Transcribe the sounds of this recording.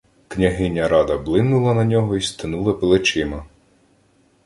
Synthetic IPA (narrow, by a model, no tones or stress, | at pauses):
knʲɐɦɪnʲːɐɾɑd̪ɐblˠɪnːʊlˠɐnɐnʲɔɦɔist̪ɪnulˠɐpelˠɪt͡ʃɪmɐ